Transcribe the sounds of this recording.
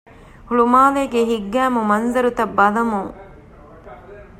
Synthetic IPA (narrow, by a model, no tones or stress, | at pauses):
huɭumaːleːɡeɦiɡːæːmumɐnzɐɾut̪ɐbːɐlɐmuŋ